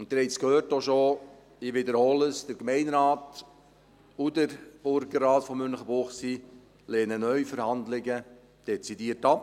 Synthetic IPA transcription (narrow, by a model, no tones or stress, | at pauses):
ʊnt̚ːɪɾhɛɪskhøːɾtoʃo | ɪʋɪdəɾhɔːləsd̥əɾkmɛɪnɾaːt | udəɾb̥ʊɾɡərːaːtfɔmːʏnləχəbʊχsi | leːnənœʏfəɾhɑndlɪɡə | d̥ɛt͡sidiːəɾtɑp